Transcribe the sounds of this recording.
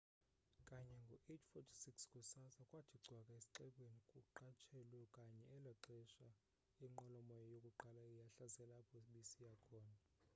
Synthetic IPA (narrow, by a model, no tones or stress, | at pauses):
kʼaɲɛŋɡʱɔʔet͡ʃʰfɔtʰi̥sikskʼusasakʼwatʰiɡ͡ǀʱwakʼaesi̥ǃɛɓʼwenikʼuǃat͡ʃʰɛlwɛkʼaɲɛːlaǁɛʃa | iŋ͡ǃɔlɔmɔjɔjokʼuǃalaijaɬazɛlapʰɔɓisijakʰɔːna